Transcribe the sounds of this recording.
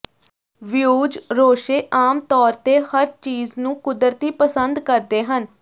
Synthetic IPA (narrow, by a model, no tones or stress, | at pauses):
ʋjuːd͡ʒɾoːʃeːʔaːmt̪ɔːɾt̪eːhəɾt͡ʃiːznũːkʊd̪ɾt̪iːpəsənd̪kəɾd̪eːɦən